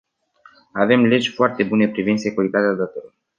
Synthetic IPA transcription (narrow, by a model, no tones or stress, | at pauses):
ave̞mle̞d͡ʒʲfoart̪e̞bune̞pɾivind̪se̞kuɾit̪at̪ead̪at̪olo